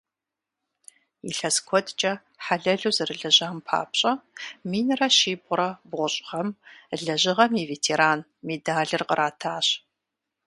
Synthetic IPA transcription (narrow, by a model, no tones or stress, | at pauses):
ḭɬɐskʷʰɔdt͡ʃʼɐ | ħaɮɐɮuːzɨrɨɮɐʑaːmpʰa̰ːpɕʼɐmiːnraʃiːbʷʼʊɾɐbʁʷʊɕʼʁɐmɮɐʑɪʁɐmiveːtʰeːɾaːn | meːdaːɮɨrqəɾʔaːtʰaːɕ